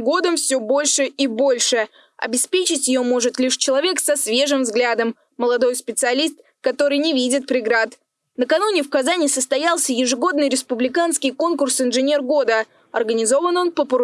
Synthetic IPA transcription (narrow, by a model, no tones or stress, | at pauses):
ɡo̞d̪əmfsʲobo̞lʲʂɨibo̞lʲʂɨ | ɐ̰bʲɪspʲet͡ɕɪtʲjɪjo̞mo̞ʐɨt̪lʲiʂt͡ɕɪlˠɐvʲe̞ksɐsvʲe̞ʐɨmvzɡlʲad̪əmː | əlˠɐd̪o̞jspʲɪt̪sɨɐlʲist̪̚ | kɐt̪o̞ɾɨjnʲɪvʲidʲɪt̪̚pɾʲɪɡɾat̪ | nəkɐnunʲɪfkɐzanʲɪsəst̪ɐjalˠsʲəjɪʐɨɡo̞d̪nɨjɾʲɪspʊblʲɪkanskʲɪjko̞nkʊrsɪnʐɨnʲe̞rɡo̞d̪ə | ɐ̰rɡənʲɪzo̞vəno̞npəpəɾ